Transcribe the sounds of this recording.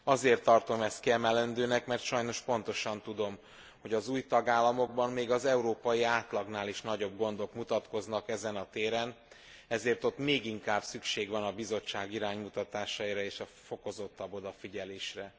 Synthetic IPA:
ɒzeːrt̪ːɒrt̪o̞mɛst̪kiɛmɛlɛnd̪øːnɛkmɛrt̪ʃɒjno̞ʃpo̞nt̪o̞ʃɒnt̪ud̪o̞m | ho̞ɟɒzuːjt̪ɒɡaːlːɒmo̞ɡ̚bɒmmeːɡɒzɛuɾoːpɒjiaːt̪lɒɡnaːliʃnɒɟo̞bɡo̞n̪d̪o̞kmut̪ɒt̪ko̞znɒkɛzɛnɒt̪eːɾɛn | ɛzeːrt̪o̞t̪meːɡiŋkaːbsykʃeːɡʋɒnɒbizo̞t͡ʃːaːɡiɾaːɲmut̪ɒt̪aːʃɒiɾɒeːʃɒfo̞ko̞zo̞t̪ːɒbo̞d̪ɒfiɟɛleːʃrɛ

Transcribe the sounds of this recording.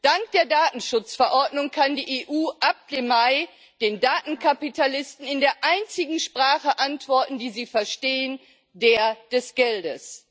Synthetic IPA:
d̥aŋkd̥eːɐdaːtn̩ʃʊt͡sfɛɐʔɔɐdnʊŋkʰandiːʔeːʔuːʔap̚d̥emaɪ | d̥eːndaːtn̩kʰapitʰalɪstn̩ɪndeːɐʔaɪnt͡sɪɡŋ̩ʃpʁ̥aːχəʔantv̥ɔɐtn̩diːziːfɛɐʃteːən | deːɐd̥ɛsɡ̥ɛldəs

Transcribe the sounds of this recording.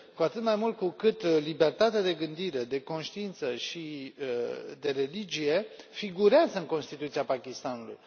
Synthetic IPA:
kuat̪ɨt̪majmult̪̚kukɨt̪libe̞rt̪at̪ead̪e̞ɡɨnd̪iɾe̞d̪e̞ko̞nʃt̪iint̪səʃi | d̪e̞ɾe̞lid͡ʒije̞fiɡuɾeazəɨŋko̞nst̪it̪ut̪siapakʲist̪anulṵj

